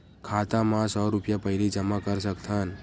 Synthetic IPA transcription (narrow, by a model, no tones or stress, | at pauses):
kʰat̪amãsɔɾupjapəjɾid͡ʒəmakəɾʃəkt̪ʰən